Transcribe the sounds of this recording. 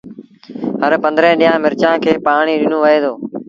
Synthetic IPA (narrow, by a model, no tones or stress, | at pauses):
ɦəɾpə̃nd̪ɾẽːɗɪjãːmɪɾt͡ʃãːkʰeːpaːɳiːɗɪnoːʋəeːd̪oː